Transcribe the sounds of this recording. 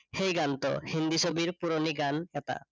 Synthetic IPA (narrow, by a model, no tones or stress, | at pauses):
hejɡant̪ɔ̰hind̪isobiɹpuɾoniɡanɛt̪a̰